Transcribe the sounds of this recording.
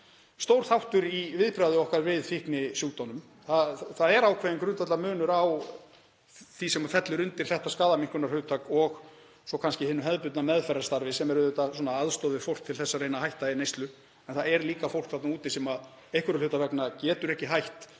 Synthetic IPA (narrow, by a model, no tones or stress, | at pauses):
st̪owɾ̥θawht̪ʏɾivɪðpɾaðʏɔhkaɾvɪðfihknɪsjuːt̪anʏm | θaθaðɛɾawkʰvɛːjɪnŋkɾʏnt̪at̪lamʏːnʏɾaw | θisɛmafɛt̪lʏɾʏnt̪ɪɾ̥θɛht̪askaːðamiŋ̥kʏnaɾhʏːt̪ʰakɔɣ | sɔkʰanscɪhɪnːʏɦɛðpʏt̪namɛðfɛɾaɾ̥st̪aɾvɪsɛmɛɾʏʏt̪asɔːnaaðst̪ɔðɪfowl̥kt̪ʰɪlθɛsːarejnahajht̪aɪnejst̪lʏ | ɛnθaɛɾliːkafowl̥kθat̪nauːt̪ɪsɛmað | ejhkʏɾʏlʏt̪avɛknacɛːt̪ʏɾɛhcɪɦajht̪